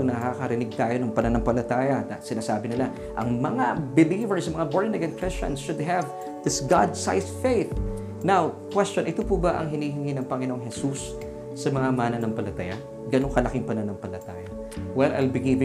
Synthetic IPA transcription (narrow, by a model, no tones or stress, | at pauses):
ɐŋnɐakɐɾɪnɪɡ̚t̪aːjo̞nɐŋpɐnɐnoŋpɐlɐt̪aːjɐt̪sɪnaːsaːbɪnɪla | ʔɐ̰ŋmɐŋabɪlivɛɹsɐmɐŋaboɹnɐɡɐnkɹɪst͡ʃɐ̰̃nsʃʊd̪̚ɦɐv | ð̥ɪsɡad̪sa̰jsfejθ | nawkwɛst͡ʃonʔɪt̪opubɐʔɐ̰ŋɦɪniːɦɪŋinɐŋpɐŋɪno̞ŋɦɛsusː | ɐmɐŋamaːnɐnɐŋpɐlɐt̪ɐja | ɡɐnoŋkɐlɐkɪŋpɐnɐnoŋpɐlɐt̪aːjɐ | wɛlʔɐ̰jlbɪɡivɪ